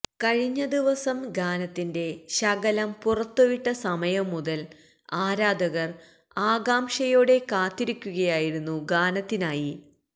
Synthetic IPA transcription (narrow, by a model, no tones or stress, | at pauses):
kɐɻiɲːɐd̪iʋɐsɐmɡaːnɐt̪ːinde̞ɕɐɡɐlɐmpurɐt̪ːoʋiʈːɐsɐmɐjɐmːud̪ɐl | aːɾaːd̪ʱɐɣɐr | aːɡaːmʂɐjo̞ːɽe̞kaːt̪ːiɾikʲːuɣɐjaːjiɾunːuɡaːnɐt̪ːinaːji